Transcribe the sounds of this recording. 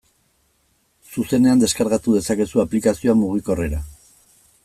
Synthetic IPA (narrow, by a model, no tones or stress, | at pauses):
suse̞ne̞and̪e̞skaɾɣat̪uð̞e̞sake̞suaplikasio̞amuɣ̞iko̞re̞ɾa